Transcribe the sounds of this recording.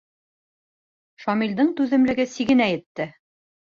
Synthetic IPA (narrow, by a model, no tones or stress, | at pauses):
ʃɒmild̪ɤɴt̪ʉðɘ̆mlɘ̆ɡɘsiɡɘnæjɘ̆t̪ːɘ